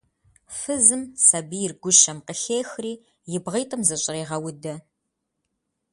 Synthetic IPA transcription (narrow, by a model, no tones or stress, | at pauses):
fɨzɨmsɐbijɪrɡʷʊʃɐmqəɬeːxriː | jɪbʁiːtʼɐmzɨɕʼɪreːʁɐwʊdɐ